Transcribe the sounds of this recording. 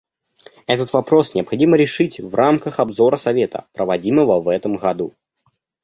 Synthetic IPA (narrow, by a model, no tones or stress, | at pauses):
ɛt̪ət̪vɐpɾo̞snʲɪɐpxɐdʲiməɾʲɪʂɨtʲvrʔamkəxɐbzo̞ɾəsɐvʲe̞t̪ə̰pɾəvɐdʲiməvəvɛt̪əmɣɐd̪u